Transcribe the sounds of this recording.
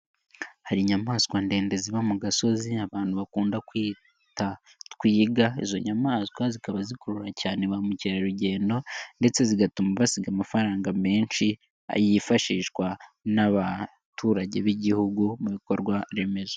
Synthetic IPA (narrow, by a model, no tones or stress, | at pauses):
haɾiɲamaːskwande̞ːnde̞ziβamuɡaso̞ziaβaːnhuβakuːndakwiː | ta | tkwiːɡaḭzo̞̰ɲamaːskwazikaβazikoɾuɾacaːne̞βamuciɾaɾuɟe̞ːndo̞nde̞t͡se̞ziɡatumaβasiɡamafaɾaːŋɡame̞ːnʃi | a̰jifaʃiːʃkwanaβa | tʰuːɾaɟe̞βiɟihuɡumuβiko̞ɾɡwaɾe̞me̞zo